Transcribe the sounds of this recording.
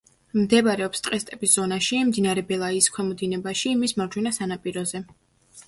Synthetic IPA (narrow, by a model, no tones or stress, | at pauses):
md̪ɛbaɾɛɔpst̪ʼqʼɛst̪ʼɛbisz̥ɔnaʃimd̪inaɾɛbɛlˠaiːskʰwɛmɔd̪inɛbaʃimismaɾd͡ʒʰwɛnasanapʼiɾɔzɛ